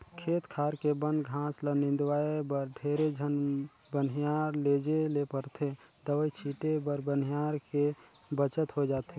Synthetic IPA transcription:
kʰeːt̪kʰaːɾkebə̃nɡʱãːslənɪ̃nd̪waːebəɾɖʱeːɾed͡ʒʱənbənɦijaːɾleːd͡ʒelepəɾt̪ʰe | d̪əʋəjt͡ʃʰiːʈebəɾbənijaːɾkebət͡ʃət̪ɦod͡ʒaːt̪e

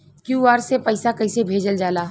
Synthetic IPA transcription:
kjũːaːɾsepəɪsakɐɪsebʱeːd͡ʒəld͡ʒaːlaː

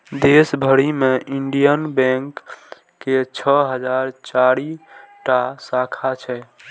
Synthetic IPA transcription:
d̪esbʱəɽimeʔiɳɖijənbɛ̃ŋkː | et͡ʃʰəɦəd͡ʒaɾt͡ʃaɾiʈasakʰat͡ʃʰɛ

